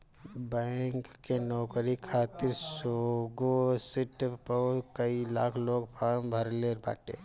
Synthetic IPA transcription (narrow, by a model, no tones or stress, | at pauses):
bɛ̃ːŋkːenɔːkɾikʰaːt̪ɪɾsoːɡosɪʈpəkəila̰ːkʰloːɡpʰaːɾmbʱəɾleɾba̰ːʈḛː